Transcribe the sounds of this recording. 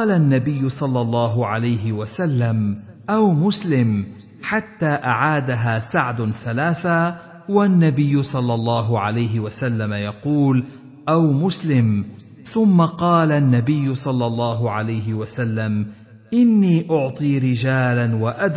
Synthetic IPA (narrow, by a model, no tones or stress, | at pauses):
ɑːlanːabɪjːʊsˤɑlːɑlˤːɑːɦʊʕalajɦɪwasalːam | ʔawmʊslɪm | ħat̪ːaːʔaʕaːd̪aɦaːsaʕd̪ʊθalaːθa | wanːabɪjːʊsˤɑlːɑlˤːɑːɦʊʕalajɦɪwasalːamajɑquːl | ʔawmʊslɪm | θʊmːaqɑːlanːabɪjːʊsˤɑlːɑlˤːɑːɦʊʕalajɦɪwasalːam | ʔɪnːiːʔʊʕt̪ˤiːɾɪd͡ʒaːlanwaʔad̪